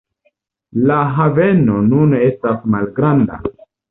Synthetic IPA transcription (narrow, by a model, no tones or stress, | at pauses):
laɦave̞no̞nune̞stasmalɡɾanda̰